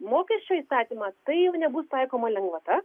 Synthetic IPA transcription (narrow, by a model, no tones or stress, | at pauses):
moːkʲɛʃʲt͡ʃʲoːiːst̪ɑːt̪ʲiːmɐt̪ɐɪjɛʊnʲɛbust̪ɐɪkoːmɐlʲɛŋɡʋɐt̪ɐ